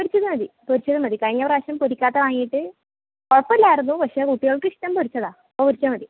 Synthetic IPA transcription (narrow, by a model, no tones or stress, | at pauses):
poɾit͡ɕːɐðɨmɐðipoɾit͡ɕːɐðɨmɐd̪ikɐɻiɲːɐʋɐraːɕɐmpoɾikʲːaːt̪ːɐʋaːŋijiʈːɨ | oɽɐpːɐlːaːjɐrɐnːubɐʂɐkuʈːijoɭkɨʂʈːɐmpoɾit͡ɕːɐðaː | ɐpopoɾit͡ɕːɐðmɐði